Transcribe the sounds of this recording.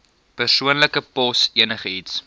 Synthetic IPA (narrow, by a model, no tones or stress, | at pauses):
pərsuənləkəpɔsiənəχəits